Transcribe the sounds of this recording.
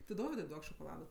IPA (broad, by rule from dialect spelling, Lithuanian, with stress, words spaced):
tʲɪ ˈdoːʋʲɪdʊɪ ˈduɔk ʃoːkoːˈlˠɑːdɐ